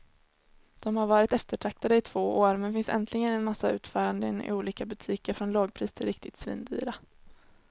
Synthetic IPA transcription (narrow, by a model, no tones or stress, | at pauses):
d̪̥ɔmhaɾvɑːɾɪt̪ɛft̪əʈʰɾak̚t̪ad̪əɪt̪ʰv̥oːoːaɾmɛnfɪnsɛ̰nt̪ʰlɪɡənɛnmasːaʉ̟ːt̪fœːɾand̪əɪ̰nɪ̰uːliːkabɵt̪ʰiːkəɾfɾɔnlɑːɡ̚pʰɾiːst̪ʰɪlɾɪkt̪ɪt̪svḭːnd̪y̰ːɾa